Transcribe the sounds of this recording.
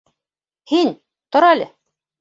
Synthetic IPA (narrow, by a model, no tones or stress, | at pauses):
hin | t̪ŏɾælʲɘ